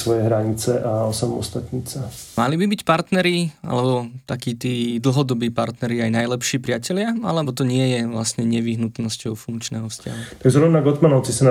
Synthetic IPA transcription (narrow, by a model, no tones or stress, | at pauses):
sʋɔjɛɦɾaɲit͡sɛʔaɔsamɔ̰st̪at̪ɲit͡samalibibicpaɾt̪nɛɾia̰lɛbɔt̪akiːt̪iːd̪l̩ˠɦɔd̪ɔbiːpaɾt̪nɛɾiajnajlɛpʃiːpɾɪacɛlɪaa̰lɛbɔt̪ɔɲɪɛjɛʋlasɲɛɲɛʋiɦnut̪nɔscɔʊfuŋkt͡ʃnɛːɦɔfsca̰ɦut̪aɡʒɾɔʊnaɡɔt̪manɔʊt͡sisan